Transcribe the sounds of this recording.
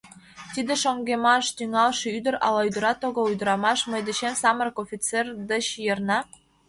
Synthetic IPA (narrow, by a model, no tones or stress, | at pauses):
t̪id̪ĕʃoŋɡemɑʃt̪yŋɑlʃiyd̪ə̆ɾɑ̰lɑyd̪ə̆ɾɑt̪oɣoujd̪əɾɑmɑʃmə̆jd̪ə̆ɕemsɑmərkofʲit͡serd̪ə̆t͡ɕjɤrnɑ